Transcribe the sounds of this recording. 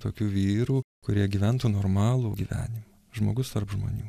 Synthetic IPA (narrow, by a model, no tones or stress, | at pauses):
t̪oːkʲuːʋʲiːɾuː | kʊɾʲiɛɡʲiːʋʲænt̪uːnoːɾmɑːlˠuːɡʲiːʋʲæ̰ːnʲɪmɐ | ʒmo̰ːɡʊst̪ɐɾpʒmo̰ːnʲuː